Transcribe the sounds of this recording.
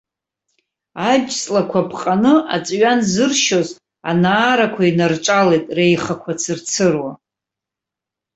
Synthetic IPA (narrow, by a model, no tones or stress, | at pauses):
ad͡ʒt͡sʼlakʷʰapʰqʼanɨa̰t͡sʼɥanzɨrʃo̞z | anaːɾakʷʰainarʈ͡ʂʼalejtʼrejχakʷʰat͡sʰɨrt͡sʰɨrwa